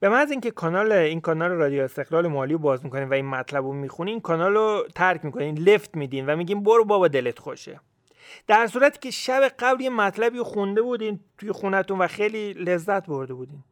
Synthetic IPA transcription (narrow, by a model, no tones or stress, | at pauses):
b̥e̞mænziːŋce̞kʰɒnɒːleinkʰɒːnɒːleɾɒːd̪ijoest̪e̞ɣlɒːlemɒːliːobɒːzmikʰo̞niːmvæinmæt̪ʰlæbomixuniiːnkʰɒnɒlot̪ʰæɾcʰmiːkʰo̞niːnle̞ft̪miːd̪iːnvæmiːɟʲiːnboɾobɒːbɒd̪e̞let̪xo̰ʃḛ | d̪̥æɾsuːɾæt̪ʰi̥ːceʃæbe̞ɢæbljemæt̪ʰlæbiːɾoxund̪e̞bud̪int̪ʰujexunæt̪unvæxejliːle̞zːæt̪ʰbo̞ɾd̪e̞buːd̪iːn